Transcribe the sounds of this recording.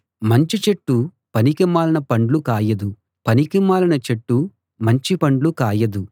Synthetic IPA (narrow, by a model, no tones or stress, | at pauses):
mɐɲt͡ʃit͡ʃeʈːu | pɐnikimaːlɐnɐpɐɳɖlukaːjɐd̪u | pɐnikimaːlɐnɐt͡ʃeʈːu | mɐɲt͡ʃipɐɳɖlukaːjɐd̪u